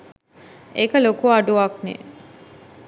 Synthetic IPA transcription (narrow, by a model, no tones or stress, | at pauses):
ekəlokuaɖuɐknḛ